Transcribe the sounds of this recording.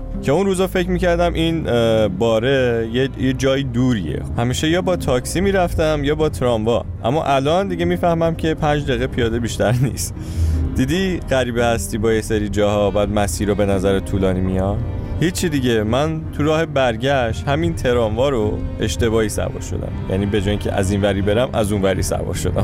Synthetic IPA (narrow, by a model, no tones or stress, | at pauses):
cʰe̞unɾuːzɒfe̞cʰmiːcʰæɾd̪æmʔinbɒːɾe̞jejed͡ʒɒːjiːd̪uːɾiḛhæmiːʃe̞jɒːbɒːt̪ʰɒːksimiːɾæft̪æmjɒːbɒːt̪ʰɾɒɱvɒ̰ | ʔæ̰mːɒ̰ʔælɒnd̪iɟe̞miːfæhmæmcʰe̞pʰænd͡ʒd̪eɣepʰijɒːd̪e̞biʃt̪æɾnḭːst̪ | d̪̥iːd̪iɣ̥æɾiːbehæst̪iːbɒːjeseɾiːd͡ʒɒːhɒbæːd̪mæsiːɾobe̞næzæɾet̪ʰuːlɒːnimijɒnhit͡ʃʰːid̪iɟemænt̪ʰuɾɒːhebæɾɟæʃt̪hæmint̪ʰe̞ɾɒːɱvɒːɾoe̞ʃt̪e̞βɒːhiːsæ̰vɒ̰ːɾʃo̞̰d̪æ̰mjæ̰niːbe̞d͡ʒɒːjiŋcʰḛʔæ̰zinvæɾiːbe̞ɾæmʔæ̰zunvæɾḭsæ̰vɒ̰ːɾʃo̞d̪æ̰m